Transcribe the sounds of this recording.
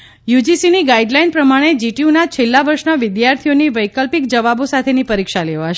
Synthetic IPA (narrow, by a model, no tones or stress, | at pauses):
jud͡ʒisiniɡaiɖlajnpɾəmaɽ̃ed͡ʒiʈiunat͡ʃʰelːaʋəɾʃnaʋɪd̪jaɾt̪ʰijoniʋəjkəlpikd͡ʒəʋabosat̪ʰenipəɾikʃaleʋaʃ